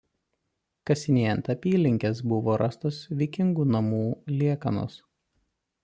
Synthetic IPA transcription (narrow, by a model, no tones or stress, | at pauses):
kɐsʲɪnʲiɛnt̪ɐpʲiːlʲɪŋʲkʲes̬bʊʋoːɾʔɐst̪oːsʋʲɛkʲɪŋɡuːnɐmuːlʲiɛkɐno̰s